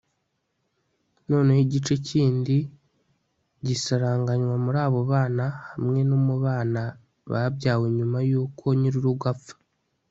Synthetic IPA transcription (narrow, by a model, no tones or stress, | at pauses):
no̞ːnehiɟit͡ʃe̞ciːndi | ɟisaɾaːŋɡaɲwamuɾaːβo̞βaːnahamŋe̞nomuβaːna | βa̰bɟaːweɲumajuːkʰo̞ɲiɾiɾuɡafḁ